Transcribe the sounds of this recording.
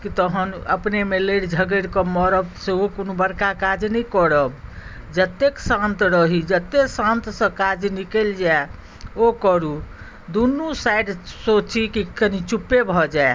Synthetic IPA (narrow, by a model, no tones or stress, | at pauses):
kit̪əɦənə̰pnemeləɽd͡ʒʱəɡəɾkɔmɔɾəbseokonobəɾkakad͡ʒnəikɔɽəb | d͡ʒət̪ːeksãnt̪ɾəɦid͡ʒət̪ːesãnt̪sə̃kad͡ʒnikeld͡ʒae | okəɾu | d̪unːusaɖsot͡ʃikikənit͡ʃupːebʱɔd͡ʒae